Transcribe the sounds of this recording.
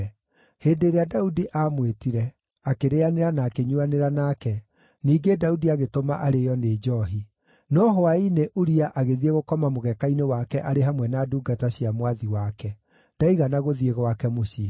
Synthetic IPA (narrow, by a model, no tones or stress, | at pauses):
heːndeɾeadaudiʔamwetiɾɛ | akeɾeaneɾanaːkeɲuaneɾanakɛ | niːɡedaudiaɣetomaʔaɾejɔned͡ʒɔɦi | nɔɦɔaineʔuɾiaʔaɣeðieɣokɔmamoɣɛkainewakɛʔaɾeɦamwɛnaːduːɡataɕiamwaðiwakɛ | d̥aiɣanaɣoðieɣɔwakɛmoɕi